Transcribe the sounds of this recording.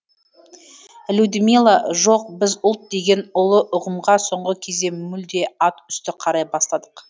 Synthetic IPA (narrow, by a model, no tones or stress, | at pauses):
lʲud̪ɪmilˠaʒo̞q̚bɪzʊlˠt̪̚d̪e̞ɡʲe̞nʊlˠəʔʊʁəmʁɑso̞ɴʁəkʲʰe̞zd̪e̞mʏld̪e̞ɑt̪ʏst̪ɪqʰɑɾɑjbɑslˠɑd̪əq